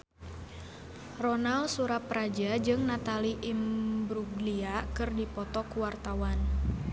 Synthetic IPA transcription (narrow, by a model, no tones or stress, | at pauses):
rɔnalsuɾaprad͡ʒad͡ʒɨŋnat̪aliʔimbɾuɡliakɨrdipɔt̪ɔkuwart̪awan